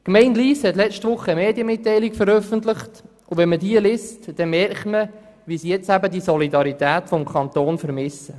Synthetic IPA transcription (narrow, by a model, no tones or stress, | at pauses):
kmɛɪnliːshɛtlɛt͡ʃtʋʊχːəəmeːdjəmɪt̪ːɛɪlikfəɾœfəntlɪχt | ʊvɛnmədiːəlɪstd̥ɛnmɛrχtmə | ʋisijɛt͡sæbədisɔlidɑɾitæːtfɔmkʰɑnt̪oːnfəɾmɪsə